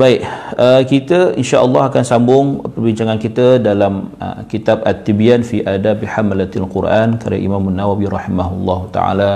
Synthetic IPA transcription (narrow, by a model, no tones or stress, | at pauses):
baɪʔəkit̪əinʃaʔəlːɑɦakansambʊŋpərbiɲt͡ʃaŋankit̪ədalam̰kit̪abat̪ːibianfiʔadabħamlat̪alqʊrʔankaɾja̰ʔḭmamanːawawiɾɑħimaɦulˤːɑɦut̪a̰ʕa̰la